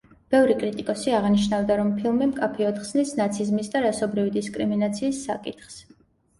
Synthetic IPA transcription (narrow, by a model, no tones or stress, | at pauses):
b̥ɛvɾikʼɾit̪ʼikʼɔsiaʁniʃnavd̪aɾɔmpʰilˠmimkʼapʰiɔd̪χsnisnat̪sʰizmisd̪aɾasɔbɾivid̪iskʼɾiminat̪sʰiːsːa̰kʼit̪ʰχs